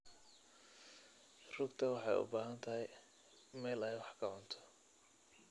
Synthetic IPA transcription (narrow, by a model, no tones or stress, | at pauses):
r̥ʊɡt̪ʰɐwɑħɑjʊ̰baːɦɐnt̪ʰɐɦɛj | mɛːlɛjwɑħkʰɐʕʊnt̪ʰɔ̥